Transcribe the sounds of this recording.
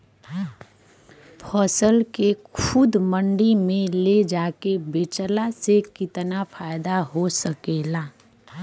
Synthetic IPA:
pʰɔːsəlkekʰʊd̪mə̃ɳɖimẽled͡ʒaːkebeːt͡ʃəlasekɪt̪napʰaːɪd̪aɦosəkeːlaː

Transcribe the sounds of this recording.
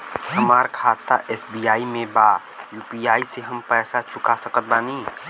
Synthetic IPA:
həmaːɾkʰaːt̪ːaʔɛːsbijaːimẽbaː | juːpiːjaːiseɦɐmpɛːsat͡ʃʰʊkasəkət̪̚baːnĩː

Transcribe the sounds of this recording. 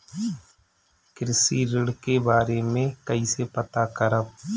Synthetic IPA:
kɪɾɪsiɾɪɽkebaːɾemẽkɐisepɐt̪akɐɾəb

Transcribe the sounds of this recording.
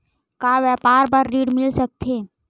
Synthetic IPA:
kaːʋɛːpaːɾbəɾːiːɽmɪlsək̚t̪ʰeː

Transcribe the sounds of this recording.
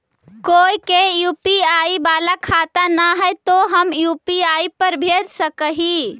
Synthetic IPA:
koːikejuːpiaibaːlakʰat̪anaɦəjt̪oɦəmjuːpiaːipəɾbʱed̪səkəɦi

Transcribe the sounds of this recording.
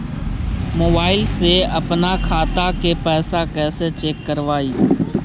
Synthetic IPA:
moːbaːɪlseːəpnaːkʰaːt̪aːkeːpɛːsakɛːset͡ʃeːkːəɾʋaːiː

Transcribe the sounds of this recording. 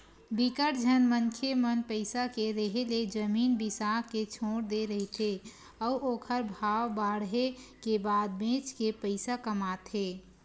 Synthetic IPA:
bikəʈd͡ʒʱənmənkʰemənpəɪsakeɾəɦeled͡ʒəmiːnbisaket͡ʃʰoːɽd̪eɾəɦit̪ʰe | ɔuoːkʰəɾbʱawbaɽɦekebad̪̚bẽt͡ʃkepəɪsakəmat̪ɦe

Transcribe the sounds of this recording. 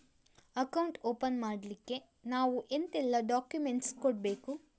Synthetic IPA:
ɐkɐwuɳʈoːpɐnmaːɽɐlikːe̞ | naːʋuʔent̪ɛlːɐɖaːkjumeɳʈskoɽ̚be̞ːku

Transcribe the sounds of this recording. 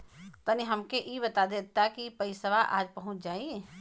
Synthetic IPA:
t̪əniɦəmkeʔibət̪ad̪et̪akipəɪsəʋaʔa̰ːd͡ʒpəɦʊ̃t͡ʃʰd͡ʒaːi

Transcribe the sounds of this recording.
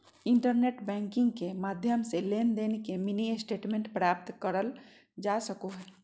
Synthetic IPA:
ɪɳʈəɾneːʈbɛ̃ːŋkɪ̃ŋɡkemaːd̪ʱjəmseleːnd̪enekeminiesʈeːʈmẽɳʈpɾaːp̚t̪kəɾəl | d͡ʒasəkoɦɛː

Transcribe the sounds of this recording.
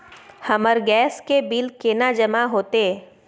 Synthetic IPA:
həməɾɡɛːskebɪlkeːnad͡ʒəmaɦoːt̪e

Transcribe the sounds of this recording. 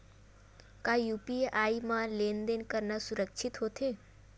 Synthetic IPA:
kajupiaimãlend̪enkəɾnasuɾəkʃʰit̪ɦot̪ʰe

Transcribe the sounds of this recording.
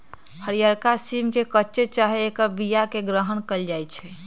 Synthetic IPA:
həɾijaɾkasimkekətːt͡ʃet͡ʃaɦeːkəbijakeɡɾəɦənkəld͡ʒajt͡ʃʰɛ

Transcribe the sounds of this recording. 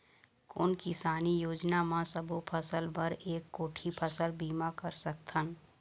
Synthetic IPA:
kʊ̰ːnkɪsaːnijoːd͡ʒnamãsɐbopʰəsəlbɐɾeːkːoːʈʰipʰɐsəlbiːmakɐɾsɐk̚t̪ʰən

